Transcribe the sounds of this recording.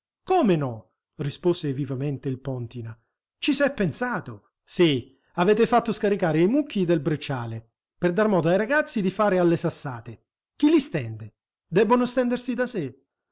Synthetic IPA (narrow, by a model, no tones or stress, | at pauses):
komenɔ | risposevivament̪eilpɔnt̪ina | t͡ʃisɛpːensaːt̪o | si | avɛːt̪ɪfat̪ːʊskaɾikaːɾɪjmukʰːid̪elbɾet͡ʃːaːle | perd̪armɔːd̪oajɾaɡat̪sːid̪ifaːɾɪalːesasːaːt̪e | k̟ilist̪ɛnd̪e | d̪ɛbːonʊst̪ɛnd̪ersid̪ase